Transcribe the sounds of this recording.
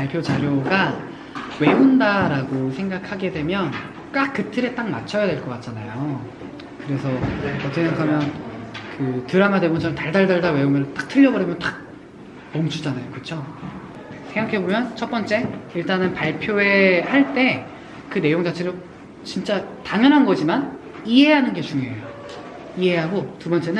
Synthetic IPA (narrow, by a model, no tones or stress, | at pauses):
paɭpʰjot͡ɕaɾjoɡa | we̞undaɾaɡosʰe̞ŋɡakʰaɡe̞dwe̞mjʌn | k͈ak̚k͈ːɯtʰɯɾe̞t͈aŋ̚ma̰t͡ɕʰʌjadwe̞ɭk͈ʌk͈at̚t͡ɕ͈anajo | kɯɾe̞sʰʌʌtʰeŋɡakʰamjʌnkɯtɯɾamadwebont͡ɕʰʌnɯntaɭdaɭdaɭdawe̞oŋɯɾt͈ḁk̚tʰɯʎːʌbʌɾimjʌnt͈ak̚ | mʌmd͡ʑud͡ʑanajokɯt͡ɕʰo | sʰeŋɡakʰe̞bomjʌnt͡ɕʰʌt̚p͈ʌnt͡ɕ͈e̞iɭt͈anɯnpaɭpʰjoe̞haɭt͈e̞ | kɯne̞joŋd͡ʑat͡ɕʰeɾo | t͡ɕint͡ɕ͈ataŋjʌnɦanɡʌd͡ʑiman | iɦe̞ɦanɯnɡet͡ɕuŋeejo | iɦe̞ɦaɡotubʌnt͡ɕ͈e̞nɯn